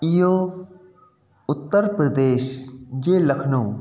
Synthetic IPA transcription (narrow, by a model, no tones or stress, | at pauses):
ijõː | ʊt̪ːəɾpɾəd̪eːʃd͡ʒeːlɐkʰnõː